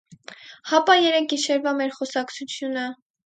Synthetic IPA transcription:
hɑpɑjɛɾɛk̚ʰiʃɛɾvɑmɛɾχɔsɑkt͡sʰut͡sʰjunə

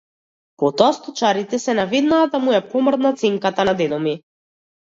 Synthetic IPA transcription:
pɔt̪ɔast̪ɔt͡ʃaɾit̪ɛsɛnaved̪naːd̪amujɛpɔmɾd̪nat̪sɛŋkat̪anad̪ɛd̪ɔmi

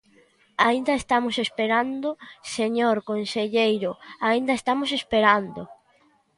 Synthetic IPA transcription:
aind̪ɐest̪amosespeɾand̪oseɲoɾkonseʎejɾʊaind̪ɐest̪amos̬espeɾand̪o

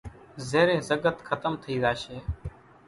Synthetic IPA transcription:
zeːɾẽːzəɡət̪kʰət̪əmt̪ʰəiːzaːʃeː

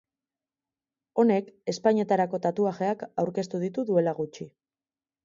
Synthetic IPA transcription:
o̞ne̞ke̞spaɲie̞t̪aɾako̞t̪at̪uaxe̞akawɾke̞st̪uðit̪uðue̞laɣut͡ʃi

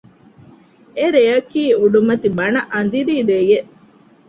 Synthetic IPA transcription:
eɾejɐkiːuɖumɐt̪ibɐnɐʔɐnd̪iɾiːɾejeʔ

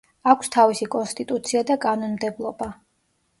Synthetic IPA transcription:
akʷʰst̪ʰavisikʼɔnst̪ʼit̪ʼut̪sʰiad̪akʼanɔnmd̪ɛblˠɔba

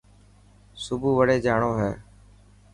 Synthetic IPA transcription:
sʊbʱuːʋəɽeːd͡ʒaːɳoːɦɛː

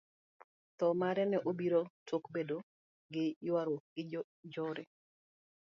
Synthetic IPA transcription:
t̪ɔmaɾɛnɛʔobiɾotokbedo | ɡɪjwaɾoɡɪ | d͡ʒoɾe

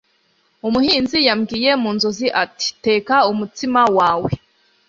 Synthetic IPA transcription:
umuhiːnzijamɡiːje̞muːnzo̞ziʔati̥te̞ːkaumutimawaːwe̞

